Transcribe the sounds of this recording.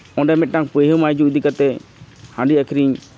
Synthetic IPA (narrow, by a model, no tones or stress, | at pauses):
ɔ̃ɖɛmɛt̪̚ˀʈaŋpəjɦɯmajd͡ʒud̪ikat̪ɛhãɳɖiakʰɾiɲ